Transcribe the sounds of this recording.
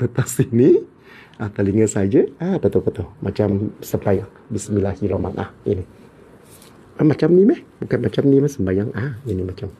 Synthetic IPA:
t̪ət̪asini | ʔat̪əliŋəsad͡ʒəapət̪opət̪ohmʔat͡ʃamsəmbajaŋ | bisəmilahiloma̰nʔa̰hḭni | amat͡ʃamnimɛhbukanmat͡ʃamnimɛsəmbajaŋainimat͡ʃam

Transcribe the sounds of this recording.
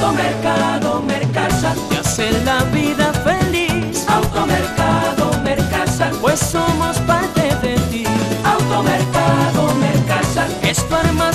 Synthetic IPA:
omeɾkaðomeɾkasak̪easeɾlaβiðafelisawt̪omeɾkaðomeɾkasapwesːomospaɾt̪eðet̪iawt̪omeɾkaðomeɾkasa | espaɾma

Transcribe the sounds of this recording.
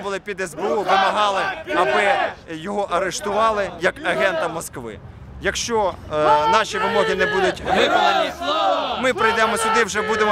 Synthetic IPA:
bʊlˠɪpʲid̪ɛzbeuʋɪmɐɦɑlˠɪɐbɪjɔɦɔʔɐɾeʃt̪ʊʋɑlˠɪjɐkɐɦɛnt̪ɐmɔskʋɪ̰ | jɐkʃt͡ʃɔ | nɑʃʲiʋɪmɔɦɪnɛbud̪ʊtʲʋɪk̪ɐnʲimɪpɾɔjd̪ɛmɔsʲʊd̪ɪwʒɛbud̪emɔ

